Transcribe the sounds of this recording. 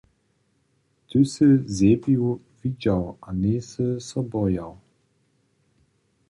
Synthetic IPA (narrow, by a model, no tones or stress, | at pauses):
t̪ʰɵsɘzʲebiw | vid͡ʑawʔanesəsɔbɔjaw